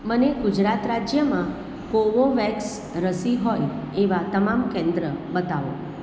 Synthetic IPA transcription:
məneɡʊd͡ʒɾat̪ɾad͡ʒjəmã | koʋoʋɛks | ɾəsiɦoj | eʋat̪əmamkɛ̃nd̪ɾəbət̪aʋo̰

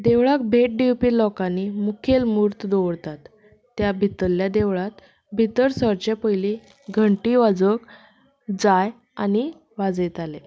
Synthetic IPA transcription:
d̪eʋɭak̚bʱeʈ̚ɖiwpiːlɔkanimukʰelmuɾt̪d̪oʋɽt̪at̪ː | jabʱit̪əljad̪eʋɭat̪ | bʱit̪əɾsəɾt͡ɕapəjli | ɡʱəɳʈiːʋad͡zək | d͡zaj | ani | ʋad͡zet̪ale

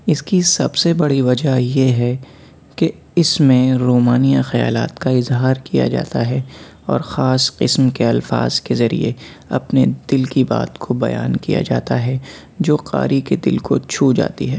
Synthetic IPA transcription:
ɪskisɐbsebɐɽiʋɐd͡ʒajeɦɛ | ke | ɪsmẽɾoːmaːnijaxɐja̰ːla̰ːt̪kaɪzɦaːɾkija̰d͡ʒa̰ːt̪aɦɛ | ɔ̰ːɾxaːsqɪsmkeɐlfa̰ːzkezɐɾḭḛ | ɐ̰pned̪ɪlkiba̰ːt̪kʰobɐja̰ːnkḭja̰d͡ʒaːt̪aɦɛ | d͡ʒoːqa̰ːɾʔiked̪ɪ̰lko̰t͡ʃʰuːd͡ʒa̰ːt̪iɦɛː

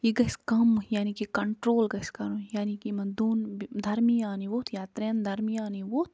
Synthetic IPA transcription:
jiɡɐskɐmjaːnikikɐɳʈɾoːlɡɐskɐɾũjaːnikimɐd̪oːnd̪ʱɐɾmijaːniʋoːt̪ʰjaːt̪ɾend̪ʱɐɾmijaːniʋoːt̪ʰ

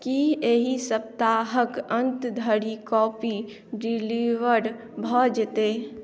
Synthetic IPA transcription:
kieɦisəp̚t̪aɦəkə̃nt̪d̪ʱəɽikɔːpi | ɖiliʋəɾ | bʱɔd͡ʒt̪eː

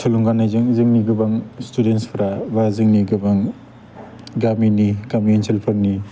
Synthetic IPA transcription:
sʰaluŋɡanajzɯŋzɯŋniɡɯbaŋstudenspʰɾabazɯŋniɡɯbaŋ | ɡaminikamienselpʰaɾni

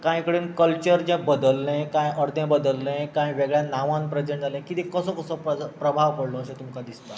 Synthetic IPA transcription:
kãjkəɽiːnkəlt͡ɕəɾd͡ʑɛ̃bəd̪əlːẽkãjəɾd̪jẽbəd̪əlːẽkãjʋeɡɭjanaʋãnpɾəd͡ʑəɳd͡zʱalẽkit̪ikəsəkəsəpəpɾəbʱaʋpəɽlɔːɕẽt̪umkad̪ist̪a

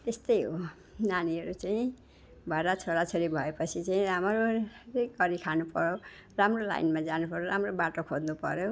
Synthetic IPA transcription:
t̪est̪ʌjɦo | naniɦʌɾut͡saĩ | bʱʌɾat͡sʰoɾat͡sʰoɾibʱʌepʌt͡sʰit͡saĩɾamʌɾoɾiɡʌɾikʰanupʌɾjoramrola̰jnmad͡zanupʌɾoɾamrobaʈokʰod̪nupʌ̰ɾjo

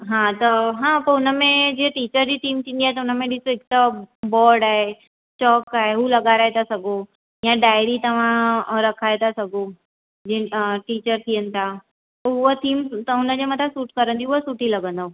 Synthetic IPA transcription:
ɦãt̪ɐɦãpɐʊnə̆mẽd͡ʑeʈiːt͡ɕəɾd͡ʑit̪ʰiːmt̪ʰĩːnd̪iaɦet̪ɐʊnəmẽɗɪsoɪkt̪abɔːɾɖaːɦe | t͡ɕɔːkaːɦeɦulɐɡaɾaːet̪ʰasɐɡʱo | jãɖaːjɾit̪ɐʋ̤ãɾɐkʰaːet̪ʰasɐɡʱo | d͡ʑeʈiːt͡ɕəɾt̪ʰijənɪ̆t̪ʰa | pɐʊɦot̪ʰiːmt̪ɐʊnəd͡ʑemɐt̪ʰasuːʈkɐɾə̃nd̪iʊɦosuʈilɐɡə̃nd̪o

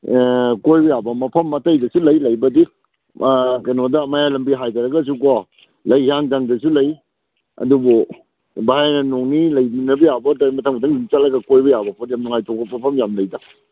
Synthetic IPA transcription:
kojbɐjabɐmɐpʰɐmːɐtajdɐsulɐjlɐjbɐdi | kajnɔdɐmajalɐmbiɦajtaɾɐɡɐs̬ukɔ | lɐjhaŋzaŋdɐsulɐj | ɐ̰dubɔ | bahajnɐnoŋnilɐjbinɐbɐjabɐdamɐtʰaŋbadaŋdint͡ʃalɐɡɐkojbɐjabɐpʰɔtjamnɔŋajtɔɡɐmɐpʰɐmjamlɐjda

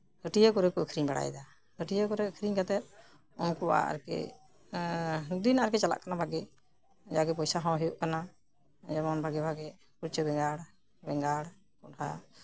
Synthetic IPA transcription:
həʈijakɔɾɛkɔəkʰɾiɲbaɽa̰jɛ̰d̪a | həʈijakɔɾɛəkʰɾiɲkat̪ɛt̚ | ɔnkɔba̰a̰ɾkɛ̰ | ɦuk̚d̪inaɾkɛt͡ʃala̰ʔkanabaɡɛ | d͡ʒaɡɛpɔjsaɦɔ̃ɦɛjuʔkana | d͡ʒabɔnbʱaɡɛbʱaɡɛ | kuɾt͡ʃəbɛŋɡaɽ | bɛŋɡaɽ | kɔʈʰa̰

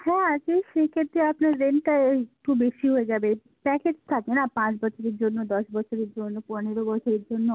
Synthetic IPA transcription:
hɛ̃ad͡ʒeʃekʰet̪ːeapnaɾẽɳʈak̚ʈubeʃiɦoed͡ʒaːbe | pɛked͡ʒt̪ʰakenapãt͡ʃbɔʃʰoɾid͡ʒonːod̪ɔsbɔʃʰoɾid͡ʒonːopɔɾneɾobɔt͡ʃʰoɾiɾd͡ʒonːo

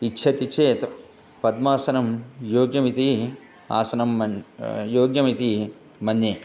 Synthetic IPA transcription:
itːʃʰɐt̪it͡ʃʰeːt̪ | pɐd̪maːsɐnɐmjoːɡjɐmit̪i | a̰ːsɐnɐmɐjoːɡjɐmit̪i | mɐnjeː

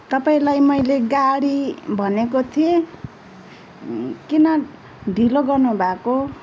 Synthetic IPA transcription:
t̪ʌpaĩlajmʌjleɡaɽibʱʌnekot̪ʰie | kinʌ | ɖʱiloɡʌrnubʱako

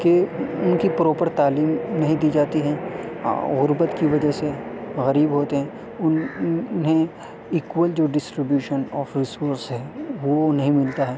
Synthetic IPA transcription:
keʊnkipɾɔːpəɾt̪aːliːmnɐɦĩd̪iːd͡ʒaːt̪iɦɛ̃ː | ɣʊɾbət̪kiʋɐd͡ʒəɦseɣɐɾiːbɦoːt̪eɦɛ̃ː | ʊʊnɦẽ | iːkʋəld͡ʒoːɖɪsʈɾɪbjuːʃənɔːfɾɪsoːɾsɦɛ̃ːʋonɐɦĩmɪlt̪aɦɛː

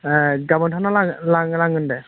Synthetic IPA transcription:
ɡamɔntʰanalalaŋlaŋɡɯndɛ

